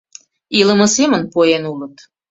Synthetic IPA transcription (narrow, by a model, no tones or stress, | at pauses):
ilə̆mə̆semənpojenulə̆t̪